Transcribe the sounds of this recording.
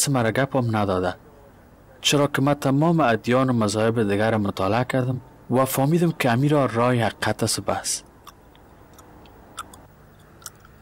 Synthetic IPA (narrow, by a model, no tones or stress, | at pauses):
sɪmaɾaɡapɔmnad̪ɔd̪a | t͡ʃəɾɔkɪmat̪amɔmɪad̪jɔnʊmazɔɪbɪd̪ɪɡaɾamʊt̪ɑlɪakaɾd̪ɪm | wafɔmid̪ɪmkɪamiɾɔɾɔjɪhaqiqʰat̪asʊbas